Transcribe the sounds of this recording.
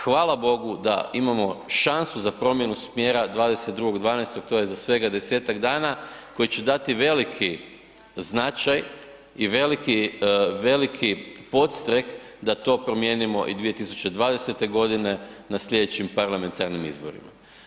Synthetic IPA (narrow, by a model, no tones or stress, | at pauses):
xʋaːlabo̞ɡud̪a̰imamo̞ʃansuzapɾo̞mje̞nusmjeːɾad̪ʋaːd̪eset̪̚d̪ɾuɡo̞ɡd̪ʋaːnest̪ok̚t̪o̞jezasʋe̞ɡad̪e̞seːt̪aɡd̪aːnako̞jit͡ɕe̞d̪at̪iʋe̞likʰi | znat͡ʃaj | iʋe̞likiʋe̞likʰipo̞t̪st̪ɾek | d̪at̪o̞ːpɾo̞mje̞nimo̞ʔḭd̪ʋije̞t̪isu̥t͡ʃe̞d̪ʋaːd̪e̞se̞t̪e̞ɡo̞d̪ine̞nasʎʲe̞d̪et͡ɕimpaɾlame̞nt̪aɾnimḭzbo̞̰ɾḭma